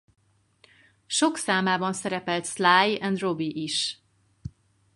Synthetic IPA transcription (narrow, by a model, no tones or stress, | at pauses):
ʃoksaːmaːbɒnsɛɾɛpɛlt̪slaːjɛnd̪robiʔiʃ